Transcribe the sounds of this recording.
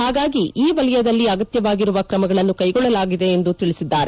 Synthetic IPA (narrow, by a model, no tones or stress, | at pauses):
haːɡaːɡiʔiːʋɐlɐjɐd̪ɐlːiɐɡɐt̪jɐʋaːɡiɾuʋɐkɾɐmɐɡɐɭɐnːukɐjɡɔɭːɐlaːɡid̪e̞ːnd̪ut̪iɭisid̪ːaːɾe